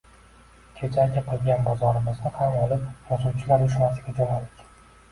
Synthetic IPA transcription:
kʲʰed͡ʒʰaɡʲaqʰɨlˠɡʲanbɒzɒɾɪmɪznɪhamɒlˠɪpjɒsuwt͡ʃʰɪlaɾjʊʃ̬nasɪɡʲad͡ʒɒlad̪ɪkʲ

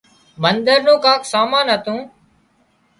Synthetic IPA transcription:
mənd̪əɾnõːkãːkʰsaːmãːnɦət̪ũː

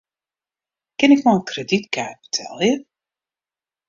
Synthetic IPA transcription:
kɪnɪkmɔlənkreditkaːt̚b̥ə̥tʰɛ̰lˠjə

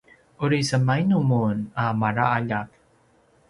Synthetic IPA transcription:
uɾisəmajnumunamaɾaaʎak̚

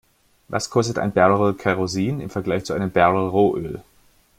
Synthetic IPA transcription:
va̰skʰɔstəta̰ɪnbɛɐləʁokʰaʁoziːnɪ̰mfɛɐɡlaɪçt͡suʔaɪnəmbɛɐləʁoːʔøːl

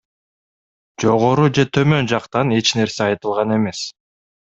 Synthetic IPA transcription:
d͡ʒo̞ʁo̞ɾud͡ʒe̞t̪ʰø̞mø̞nd͡ʒɑqt̪ɑne̞t͡ʃne̞ɾseɑjt̪ɯlˠʁɑne̞me̞s

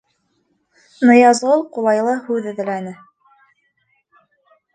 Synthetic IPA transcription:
nɤ̆jɑzulˠqulˠɑjlˠɤhʉðɘ̆ðɘ̆lænɘ

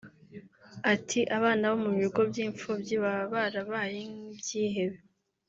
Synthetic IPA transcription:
atʰiʔaβaːnaβo̞muβiɡo̞bjiːɱfobjiβaβaɾaβajibjiːɦe̞βe

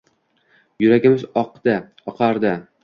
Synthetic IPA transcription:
jʊɾaɡʲɪmɪzɒqd̪̥ɪ | ɒqʰɑɾd̪ɪ

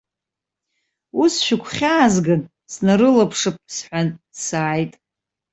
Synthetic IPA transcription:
usʃᶣɪkʷʰχʲaːzɡɨn | snaɾɨlapʰʂɨp̚ʰsħᶣʷansaːjtʼ

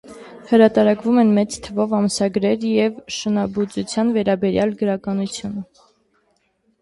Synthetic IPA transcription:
həɾɑt̪ɑɾɑkvumɛnmɛt͡st̪ʰəvɔvɑmsɑɡɾɛɾjɛvʃənɑbut͡sut͡sʰjɑnvɛɾɑbɛɾjɑlɡəɾɑkɑnut͡sʰjunə

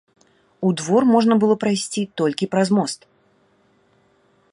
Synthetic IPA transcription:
ud̪vɔrmɔʐnɐbɨlˠɔpɾajsʲt͡sʲit̪ɔlʲkʲipɾɐzmɔst̪

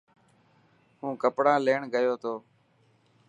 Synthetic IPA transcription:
hũːkəpɽãːleːɳɡəjoːt̪ʰoː

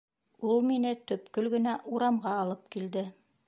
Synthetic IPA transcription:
ulˠminɘt̪ɵpkɵlɡɘ̆næʔuɾɑmʁɑːlˠɤp̚kild̪ɘ

